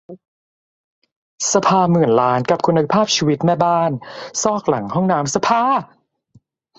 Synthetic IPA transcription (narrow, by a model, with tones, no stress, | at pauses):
sa˧pʰaː˧mɯ˨˩ənlaː˦˥nka˨˩p̚kʰu˧nːa˧pʰaː˥˩p̚t͡ɕʰiː˧wi˦t̪̚mɛː˥˩baː˥˩nsɔː˥˩k̚la˩˦ŋhɔ˥˩ŋnaː˦˥msa˧pʰaː˧